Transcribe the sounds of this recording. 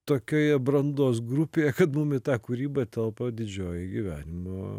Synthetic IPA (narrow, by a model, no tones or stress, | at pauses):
t̪oːkʲoːjɛbɾɐnd̪oːsɡɾupʲeːjɛkɐt̪mumɪt̪ɑːkʊɾʲiːbɐt̪ʲɛlˠpɐd̪ʲɪd͡ʒʲoːjɪɡʲɪʋʲæ̰ːnʲɪmoː